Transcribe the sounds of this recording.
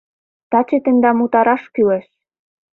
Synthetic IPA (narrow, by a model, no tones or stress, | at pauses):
t̪ɑt͡ɕĕt̪ə̆nd̪ɑmut̪ɑɾɑʃkyleʃ